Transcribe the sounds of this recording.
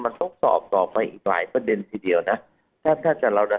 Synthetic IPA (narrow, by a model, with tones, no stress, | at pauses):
ma˧nt̪ʰo˦˥k̚sɔ̰ː˨˩p̚t̪ɔː˨˩p̚ːa˧jʔḭː˨˩k̚la̰ː˩˦jpa˧de˧nt̪ʰiː˧di˧əwna˦˥ | t̪ʰaː˥˩t̪ʰaː˥˩t͡ɕa˨˩ɾa˧wda˧˩